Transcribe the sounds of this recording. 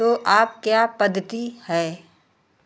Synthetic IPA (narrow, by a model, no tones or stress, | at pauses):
t̪oːʔaːp̚kjaːpɐd̪ʱːət̪ihɛː